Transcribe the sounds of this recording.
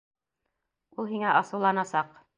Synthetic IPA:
ulˠɦiŋæʔɑsɤ̆wlˠɑnɑsɑq

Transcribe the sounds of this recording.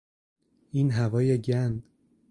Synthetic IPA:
inɦævɒːjeɟænd̪

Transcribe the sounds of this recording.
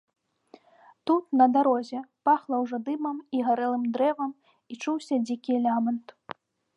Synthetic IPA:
t̪ut̪nɐd̪aɾɔzʲɛpaxlˠɐwʐɔd̪ɨmɐmiɣaɾɛlˠɨmd̪ɾɛvɐm | it͡ʂuwsʲɐd͡zʲikʲilʲamɐnt̪

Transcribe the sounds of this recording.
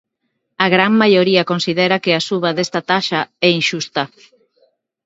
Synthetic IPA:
aɣɾaŋmajoɾiakonsið̞ɛɾakeasuβaðest̪ɐt̪aʃaɛinʃust̪ɐ

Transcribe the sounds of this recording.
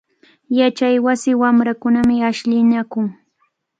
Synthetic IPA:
jat͡ʃajwasɪwamɾakʊnamɪaʃʎɪnakʊŋ

